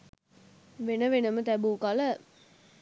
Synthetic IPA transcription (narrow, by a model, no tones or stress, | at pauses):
ʋenəʋenəmət̪æbuːkalə